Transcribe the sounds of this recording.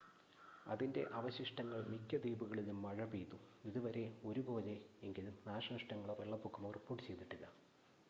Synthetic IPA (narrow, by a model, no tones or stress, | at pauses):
ɐðinde̞̰ʔɐʋɐɕiʂʈɐŋːɐɭmikʲːɐd̪iːbuɣɐɭilumːɐɻɐbiːt̪ːuiðuʋɐɾe̞o̞ɾubo̞ːleeŋɡilumnaːʂɐnɐʂʈɐŋːɐɭʋeɭːɐpːukːɐmoripːoːʈːɨt͡ɕe̞jd̪iʈːuɣɐ